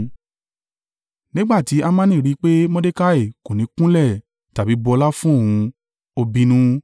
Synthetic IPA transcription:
nĩ˦ɡ͡ba˦˨ti˨˦a˧mãː˦nĩ˦˨ɾi˨˦k͡pe˦mɔ̃˦de˦ka˦˨e˦˨ko˨nĩ˨˦kũ˦lɛ˦˨ | ta˨bi˨˦bɔ˧la˦fũ˦o˦˨hũ˧ | o˧bĩ˧nũ˦

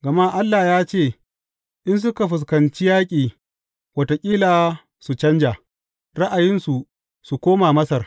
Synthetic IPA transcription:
ɡɐ˨ma˦ʔa˦lːaː˨jaː˦t͡ʃeː˦˨ | ʔɪ˦ns̬ʊ˦ka˨ɸɪ˨s̬kɐ˨nt͡ʃi˦jaː˦kʲʼiː˨ | wɐ˨to˨kʲʼiː˦laː˨ | su˨t͡ʃɐ˦nd͡ʒaː˨ | ɽɐ˦ʔa˨jɪ˦nsu˨ | su˨kʷoː˦maː˨mɐ˦sɐ˨r

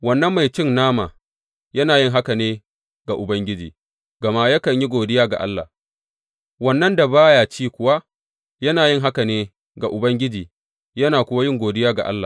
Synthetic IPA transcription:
wɐ˨nːɐ˦mːa˨jt͡ʃɪ˦nnaː˦ma̰ː˨ | jɐ˦naː˨jɪ˦ŋɦa˦ka˨neː˦ | ɡ̥a˨ʔʊ˨bɐ˦ŋɡʲɪ˦d͡ʒḭː˨ | ɡɐ˨ma˦jɐ˦kɐ˨ɲji˦ɡʷoː˨dɪ˦jaː˦ɡa̰˨ʔa̰˦lːa̰ː˨ | wɐ˦nːɐ˦nda˨baː˦ja˨t͡ʃiː˦kʷʊ˦wa˦ | jɐ˦naː˨jɪ˦ŋɦa˦ka˨neː˦ | ɡa˨ʔʊ˨bɐ˦ŋɡʲɪ˦d͡ʒiː˨ | jɐ˦naː˨kʷʊ˦wa˦jɪ˦ŋɡʷoː˨dɪ˦jaː˦ɡa̰˨ʔa̰˦lːa̰˨

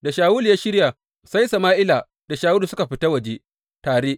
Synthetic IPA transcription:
da˨ʃaː˨wuː˦lja˦ʃɪ˦ɽja˨ | sa˦jsa˨maː˦ʔɪ˦laː˨ | d̥a˨ʃaː˦wu˦lu˨sʊ˦ka˨ɸɪ˦ta˦wɐ˨d͡ʒe˦ | taː˨ɾeː˦ʔ

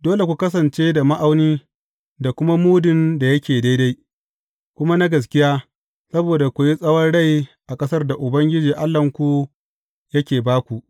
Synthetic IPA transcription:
doː˦le˨kʷu˨kɐ˦s̬ɐ˨nt͡ʃeː˦da˨ma˦ʔa˦wniː˦ | da˨kʷʊ˦ma˦muː˦dɪ˨nda˨jɐ˦kʲeː˨da˦jda˦j | kʷʊ˦ma˦na˦ɡɐ˨s̬kʲɪ˦jaː˦ | sɐ˦boː˨da˨kʷʊ˨ji˦sʼɐ˦wɐ˦nɽa˦˨jʔa˨kʼɐ˦sɐ˦rda˨ʔʊ˨bɐ˦ŋɡʲɪ˦d͡ʒiː˨ʔa˦lːɐ˨ŋkʷu˨ | jɐ˦kʲeː˨baː˦kʷu˨ʔ

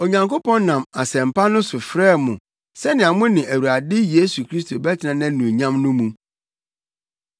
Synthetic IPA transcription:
o˨ɲã˨ŋko˦pɔ̃˦nnã˨ma˨sɛ̃˨m̩˨pʰa˦nʊ̃˦sʊ˨fɾɛː˦˨mʊ̃˨ | sɛ˦nɪ̃˨a˨mʊ̃˦nɪ̃˨ʔæ˨wu˨ɾa˨dɪ˦je˦su˨kʰɾi˦stʰo˨bɛ˦tʰɪ˨nã˨nã˦nũ˨ɲã˦mnʊ̃˦mũ˨

